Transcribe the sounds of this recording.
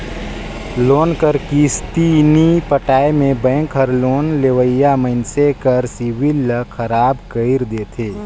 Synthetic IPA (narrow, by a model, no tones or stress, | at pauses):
loːnkəɾkist̪iːnipəʈaːemẽbɛ̃ːŋkʰɦəɾloːnleʋəjaməɪnsekəɾsiwɪlːəkʰəɾaːbkəɪɾd̪eːt̪ʰeː